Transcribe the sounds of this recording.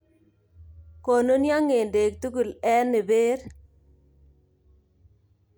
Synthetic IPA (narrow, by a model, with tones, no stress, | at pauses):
ko˨no˦nja˦ŋe˨nde˨k̚t̪u˦ɡu˨lɛ˦nɪ˨be˦ɾ